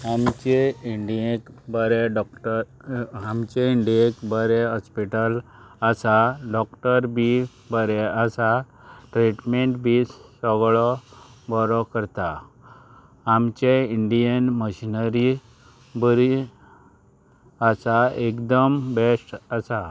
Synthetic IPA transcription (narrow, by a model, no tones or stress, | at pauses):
amt͡ɕeiɳɖiekbəɾɛɖɔkʈə | amt͡ɕeiɳɖiekbəɾɛɦɔspiʈəl | əsaɖɔkʈəɾbʱi | bəɾɛəsa | ʈɾiʈmeɳʈbʱisɔɡɭɔbɔɾɔkəɾt̪a | amt͡ɕeiɳɖijənməɕinəɾi | bəɾi | asaekd̪əmbesʈəsa